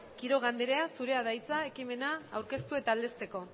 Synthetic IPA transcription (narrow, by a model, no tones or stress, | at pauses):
kiɾo̞ɣ̞and̪eɾe̞asuɾe̞aðajt͡sae̞kime̞naːwɾke̞st̪ue̞t̪aːld̪e̞st̪e̞ko̞